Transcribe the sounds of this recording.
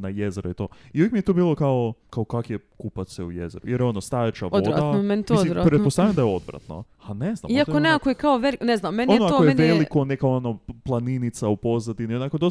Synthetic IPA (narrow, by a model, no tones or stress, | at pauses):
najezeɾuit̪oːiuvjekmijet̪ubiːlˠo̞kaokaokakjekupat̪seujezeɾṵjeɾjo̞nost̪ajet͡ʃaʋodaament̪osiɾpɾet̪posaʋjemd̪ajeo̞d̪vɾa̰t̪no̰ | anezna̰miiat̪okoneakojekaoʋelikneznamːenonnoaokjeʋelikonekaonoplˠaninit̪saupo̞zad̪inionakod̪os